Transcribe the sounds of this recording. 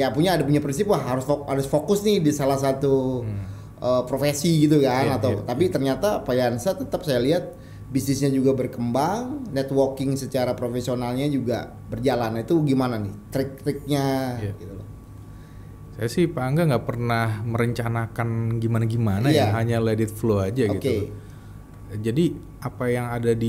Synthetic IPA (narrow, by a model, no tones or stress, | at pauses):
japuɲaːdapuɲapɾins̬ɪpwaɦaɾʊsfoɦaɾʊsfokʊsnɪhdisalahs̬at̪u | ʔəːpɾofesiɡit̪̬ukanat̪awt̪apit̪ərɲat̪apajansat̪ət̪əpsajaliɦat̪̚ | bisnɪsɲad͡ʒuɡabərkəmbaŋnɛt̪workɪŋsət͡ʃaɾapɾofesionalɲad͡ʒuɡa̰ | bərd͡ʒalanit̪uɡimananɪht̪ɾɪk̚t̪ɾɪk̚ɲaɡit̪ul̰ | sajasɪhpaːŋɡaŋɡapərnahməɾəɲt͡ʃanakanɡimanaɡimanajaaɦaɲaladɪt̪̚fload͡ʒaoɡitke | d͡ʒadi | apajaŋadadi